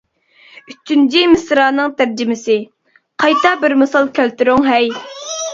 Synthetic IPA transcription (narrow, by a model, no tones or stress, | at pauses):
yt͡ʃʰːynt͡ʃʰimɪsɾɑːnɨŋt̪ʰæɾd͡ʒɪmɪsɪ | qʰɑjt̪ɑbɪɾmɨsɑlˠkʲʰælt̪yɾʊŋɦɛj